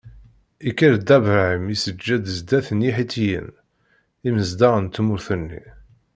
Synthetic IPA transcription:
ikːiɾd̪ævʕəmisəd͡ʒːæd̪əzd̪æθənjiħit̪ːijə̰n | iməzd̪æʁənt̪ːmʊɾθənːḭ

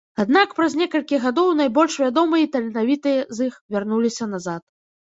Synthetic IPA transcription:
ad̪nakpɾɐzʲnʲɛkɐlʲkʲiɣad̪ɔwnajbɔlʲʂvʲad̪ɔmɨjɐt̪ɐlʲɛnavʲit̪ɨjɐzixvʲarnulʲisʲɐnazat̪

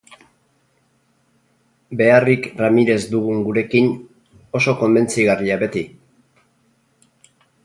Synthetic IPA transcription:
be̞arikramiɾe̞zd̪uɣuŋɡuɾe̞kin | o̞so̞ko̞mde̞nt͡siɣariaβe̞t̪i

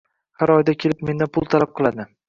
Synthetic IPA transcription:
haɾɒjd̪akʲʰe̞lɪpme̞nd̪apʰʊlˠt̪ʰalap̚qʰɨlˠad̪ɪ

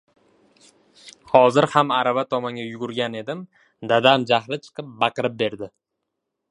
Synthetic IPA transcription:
hɒzɪɾhamaɾavat̪ʰɒmaŋɡʲajʊɡʊɾɡʲane̞d̪ɪm | d̪ad̪amd͡ʒahɾɪt͡ʃʰɨ̥qʰɨp̚bɑqɨɾɪp̚be̞ɾd̪ɪ

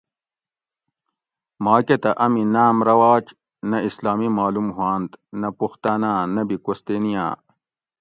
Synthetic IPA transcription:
maːket̪ɐʔɐminaːmɾɐwaːt͡ɕ | nɐislaːmimaːlumɦwaːnt̪nɐpuxt̪aːnaːnɐbikost̪enijã̰ː

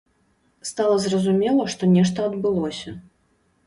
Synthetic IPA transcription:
st̪alˠɐzrɐzumʲɛlˠɐʂt̪ɔnʲɛʂt̪ɐɐd̪bɨlˠɔsʲɐ

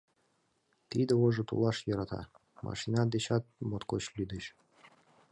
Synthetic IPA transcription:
t̪id̪ə̆oʒɤ̆t̪ṵlɑʃjɤɾɑt̪ɑ̰ | mʔɑ̰ʃinɑd̪et͡ɕɑt̪̚mot̪kot͡ɕlʲyd̪əɕ

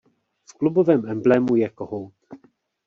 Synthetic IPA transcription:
fklubovɛːmɛmblɛmujɛkoɦowt̪

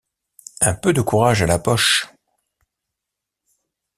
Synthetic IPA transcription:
ɛ̃pød̪əkuʁaʒalapɔʃ

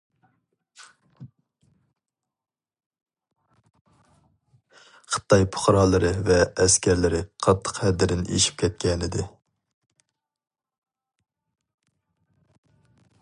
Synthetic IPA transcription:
χʰə̥t̪ːɑjpʰʊ̥χɾɑːlˠɨɾɨvɛːskʲʰɛɾlɪɾɪqʰɑt̪ʰːə̥qhɛd̪ɪd̪ɪnḛʃi̥p̚kʲʰɛt̪̚kʲɛnɪd̪ɪ

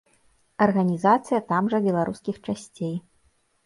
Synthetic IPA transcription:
ɐrɣɐnʲizat̪sɨjɐt̪amʐɐbʲɛlˠaɾuskʲixt͡ʂasʲt͡sʲej

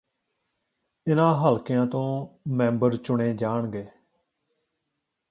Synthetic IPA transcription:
ɪnãːɦəlkɪjãːt̪õːmɛ̃ːmbəɾt͡ʃʊɳeːd͡ʒaːɳɡeː

